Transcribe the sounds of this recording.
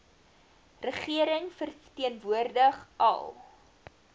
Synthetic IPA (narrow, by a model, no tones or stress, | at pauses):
rəχiəɾəŋfərtiənvuərdəχʔɐ̰lˠ